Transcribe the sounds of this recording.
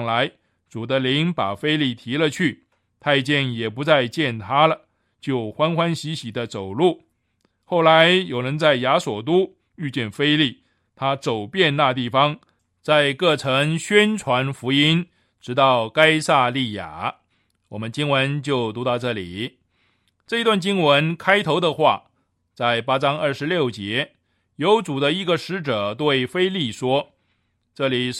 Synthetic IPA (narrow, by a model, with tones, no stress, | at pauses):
ŋla˧˥ɪ | t͡su˨˩d̪ə˦li˧˥ŋpa˨˩fe˥ɪli˥˩t̪ʰi˧˥lə˧t͡ɕʰy˥˩ | t̪ʰa˥˧ɪt͡ɕjɛ˥˩njɛ˨˩pu˧˥t͡sa˥˧ɪt͡ɕjɛ˥˩nt̪ʰa˥lə˨ | t͡ɕjo˥˩ʊxwa˥nxwa˥nɕi˧˥ɕi˨˩d̪ə˦t͡so˨˩ʊlu˥˩ | xo˥˩ʊla˧˥ɪjo˨˩ʊɻə˧˥nt͡sa˥˩ɪja˧˥swɔ˨˩t̪̬u˥ | y˥˧t͡ɕjɛ˥˩nfe˥ɪli˥˩ | t̪ʰa˥t͡so˨˩ʊpjɛ˥˧nna˥˧t̪i˥˩fɑ˥ŋ | t͡sa˥˧ɪkɤ˥˩ʈ͡ʂʰɤ˧˥ŋɕɥɛ˥nʈ͡ʂʰwa˧˥nfu˧˥i˥n | ʈ͡ʂɻ̩˧˥t̪ɑ˥˩ʊka˥ɪsa˥˧li˥˩ja̰˨˩˦ | wɔ˨˩mə˦nt͡ɕi˥ŋwə˧˥nt͡ɕjo˥˩ʊt̪u˧˥t̪ɑ˥˧ʊʈ͡ʂɤ˥˩li˨˩˦ | ʈ͡ʂɤ˥˩i˧t̪wa˥˩nt͡ɕi˥ŋwə˧˥nkʰa˥ɪt̪ʰo˧˥ʊd̪ə˧xwa̰˥˩ | t͡sa˥˩ɪpa˥ʈ͡ʂɑ˥ŋə˞˥˩ʂɻ̩˧˥ljo˥˩ʊt͡ɕjɛ˧˥ | jo˧˥ʊt͡su˨˩d̪ə˦i˧˥ɡə˧ʂɻ̩˧˥ʈ͡ʂɤ˨˩t̪we˥˩ɪfe˥ɪli˥˩ʂwɔ˥ | ʈ͡ʂɤ˥˩li˨˩